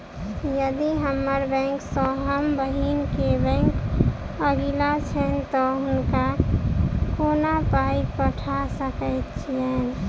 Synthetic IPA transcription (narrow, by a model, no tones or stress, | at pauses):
jəd̪iɦəmːəɾbɛ̃ŋksə̃ɦəmbəɦinkebɛ̃ŋk | əɡilat͡ʃʰɛnt̪ɔɦʊnka | konapaipəʈʰasəkəjt̪̚t͡ʃʰijɛn